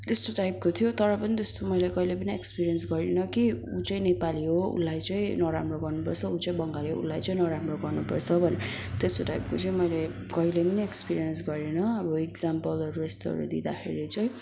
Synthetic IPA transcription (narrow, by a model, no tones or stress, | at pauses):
t̪est̪oʈajp̚kot̪ʰijot̪ʌɾʌpʌnid͡zʌst̪omʌjlekʌilepʌniekspiɾiʌnsɡʌɾinʌkiut͡sʌĩnepaliɦoṵlːajt͡sʌĩnʌɾa̰mroɡʌrnupʌrt͡sʰʌut͡sʌĩbʌŋɡaliɦo̰ṵlːajt͡sʌĩnʌɾamroɡʌrnupʌ̰rt͡sʰʌbʱʌne | t̪est̪oʈajp̚kot͡sʌĩmʌjle | kʌilepʌniekspiɾijʌnsɡʌɾenʌʌbʌekd͡zampʌlʌɾuest̪oɦʌ̰ɾṵd̪id̪axʰeɾit͡sʌ̃ĩ